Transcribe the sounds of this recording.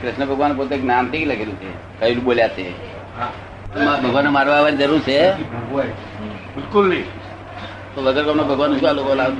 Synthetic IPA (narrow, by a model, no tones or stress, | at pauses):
kɾɪʃnəbʱəɡʋanpot̪̬eknant̪ikiləkʰeɾũt͡ʃʰḛ | kəilũboljat͡ʃʰe | t̪ũmabʱəɡʋanːomaɾʋaʋaɾid͡ʒəɾuɾt͡ʃʰe | bɪlkʊlni | t̪oʋəɡəɾkəpnobʱəɡʋanːũʃũalokolaʋt̪